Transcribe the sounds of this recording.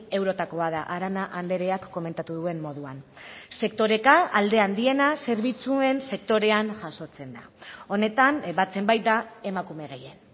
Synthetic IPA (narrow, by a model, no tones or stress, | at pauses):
e̞wɾo̞t̪ako̞að̞aʔaɾanaʔand̪e̞ɾe̞akːo̞me̞nt̪at̪uðue̞mːo̞ð̞uanse̞kt̪o̞ɾe̞kaːld̪e̞and̪ie̞nase̞ɾβ̞it͡sue̞nse̞k̚t̪o̞ɾe̞anʝaso̞t͡se̞nd̪a̰o̞ne̞t̪anbat͡se̞mbajt̪d̪ae̞makume̞ɣejen